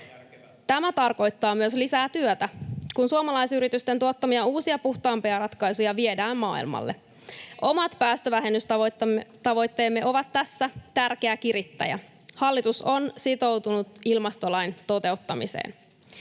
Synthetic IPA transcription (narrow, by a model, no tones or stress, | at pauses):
t̪æmæt̪ɑrko̞jt̪ːɑːmyøslisæːt̪yøt̪ækunsuomɑlɑjsyɾit̪yst̪ent̪uot̪ːɑmiɑuːsiɑpuht̪ɑːmpeæɾɑt̪kɑjsujɑʋiedæːmmɑ̰ːḭlmɑ̰lːḛ | ʔo̞mɑt̪pæːst̪øʋæɦenyst̪t̪ɑʋo̞jt̪ːe̞ːmːe̞ʔo̞ʋɑt̪ːæsːæt̪ærkeækiɾit̪ːæ̰jæ̰ | hɑlːit̪uso̞nsit̪o̞wt̪unut̪ilmɑst̪o̞lɑjnt̪o̞t̪e̞wt̪ːɑmḭsḛːn